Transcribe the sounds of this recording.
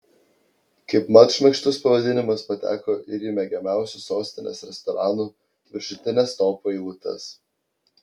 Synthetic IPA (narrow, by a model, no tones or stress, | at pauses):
kɐɪpmɐt̪ʃʲmʲɛkʃt̪ʊspɐʋɐd̪ʲɪnʲɪmʊspɐt̪ʲæ̰ːkoːʔɪɾʲiːmʲɛɡʲɛmʲæˑʊsʲusoːsʲt̪ʲɪnʲḛːsɾʲɛst̪ɔɾɑːnuː | ʋʲɪɾʃʊt̪ʲɪnʲɛst̪oːpoːiuːt̪ɐ̰s